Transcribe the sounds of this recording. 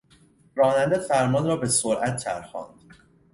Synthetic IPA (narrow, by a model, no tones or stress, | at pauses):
ɾɒːnænd̪æfæɾmɒnɾɒːbesoɾʔæt̪ʰːæ̰ɾxɒ̰ːnd̪̥